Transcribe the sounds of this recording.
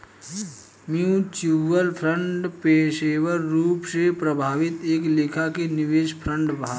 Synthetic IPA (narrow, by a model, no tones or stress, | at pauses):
miũt͡ʃuʋəlpʰɾə̃ɳʈpeːʃeːʋəɾːuːpsepɾəbʱaːʋɪt̪eːklɪkʰakenɪʋeːʃpʰɾə̃ɳɖbʱaː